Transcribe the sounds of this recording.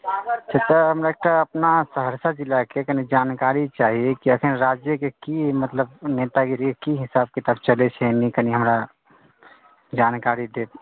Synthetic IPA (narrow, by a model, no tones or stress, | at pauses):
t͡ʃʰət̪aɦəmɾaek̚ʈaəpnasəɦəɾsad͡ʒilːakekənid͡ʒaːnkaɾit͡ʃaɦiekiəkʰənɾad͡ʒjəkekimət̪ləbnet̪aɡiɾikekiɦɪsab̚ket̪əbt͡ʃəlet͡ʃʰɛnikəniɦəmɾa | d͡ʒankaɾid̪e